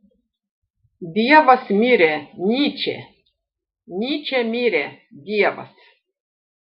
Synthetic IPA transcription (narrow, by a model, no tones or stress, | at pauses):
d̪ʲijɛvɐsmʲiɾɛnʲit͡ʃʰɛ̰ | nʲit͡ʃʰɛmʲiɾɛd̪ʲijɛvɐ̰s